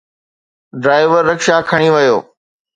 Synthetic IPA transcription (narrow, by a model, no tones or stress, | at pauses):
ɖɾaːɪʋəɾːɐkʃakʰɐɽ̃iʋɐjoː